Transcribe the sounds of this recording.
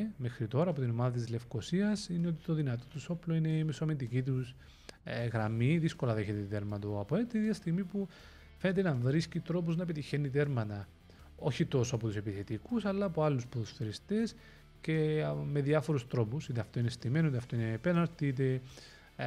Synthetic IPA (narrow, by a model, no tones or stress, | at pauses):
me̞xɾit̪o̞ɾɐːpo̞t̪ino̞mɐðɐt̪izle̞fko̞siɐsineot̪i̥t̪o̞ðinɐt̪ot̪uso̞ploine̞misoment̪icit̪̬us | ɣɾɐmiðisko̞lɐðeçet̪et̪t̪e̞ɾmɐt̪oɐpoet̪iɐst̪iɣmipu | fe̞ne̞t̪̬enɐɱvɾiscit̪ɾo̞p̬uznɐepet̪içenːit̪e̞ɾmɐt̪ɐ | o̞çit̪o̞soɐpo̞t̪usepiθe̞t̪ikusɐlːɐːpoɐlːuspoðust̪eɾist̪es | ce̞me̞ðiɐfo̞ɾust̪ɾo̞pusit̪eɐft̪o̞inest̪imenoit̪ɐft̪oinepenɐɾt̪it̪̬e